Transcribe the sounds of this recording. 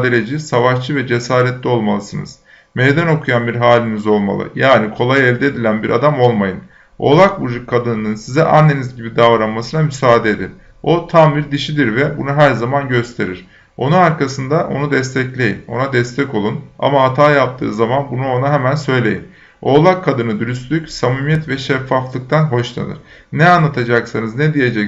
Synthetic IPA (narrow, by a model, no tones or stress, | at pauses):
d̪eɾʲed͡ʒisavaʃt͡ʃʰɯvɛd͡ʒe̞saːɾɛt̪lʲio̞lˠmalˠɯsɯnɯ̰z̥ | mejd̪æno̞kʰujanbiɾɦaːlʲinizo̞lˠma̰lˠɯ̰jaːnikʰo̞lˠajɛvd̪ed̪ilʲænbiɾʔa̰d̪amo̞lˠmajɯn | o̞̰lˠak̚bud͡ʒukʰːad̪ɯnɯnɯnsizɛʔa̰nːe̞nizɟibid̪avɾanmasɯnamysaːd̪eed̪in | o̞t̪ʰambiɾd̪iʃid̪iɾvɛbunuɦæɾzamanɟø̞st̪ʰe̞ɾiɾ̥ | onunaɾkʰasɯnd̪aʔo̞̰nud̪ɛst̪ʰɛclʲe̞jino̞nad̪ɛst̪ʰɛco̞lˠuna̰maat̪ʰaːjap̚t̪ʰɯ̰ːzamanbunuo̞naɦemænsø̞jlʲe̞jin | o̞ːlˠakʰːad̪ɯnɯd̪yɾyst̪lʲycsamimijɛt̪vɛʃɛfːaflˠɯk̚t̪ʰanɦo̞ʃlˠa̰nɯ̰ɾ̥ | nɛanːˠat̪ʰad͡ʒaksanɯznɛd̪ije̞d͡ʒɛc